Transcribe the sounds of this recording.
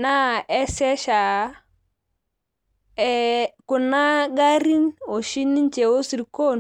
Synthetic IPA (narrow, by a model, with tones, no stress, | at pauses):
na˦ɛ˦sɛ˦ʃa˨˦ | ɛ˦kʊ˨na˦ɡa˦ɾi˦no˨ʃi˦ni˦nt͡ʃe˨o˦si˨ɾi˨ko˦˨n